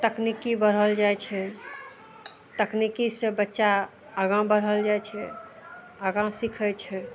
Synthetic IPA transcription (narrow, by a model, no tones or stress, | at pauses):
t̪əknikibəɾ̤ɦəld͡ʒajt͡ʃʰɛ | t̪əknikisẽbətːʃa | əɡãbəɾ̤ɦəld͡ʒajt͡ʃʰɛ | əɡãsikʰət͡ʃʰɛ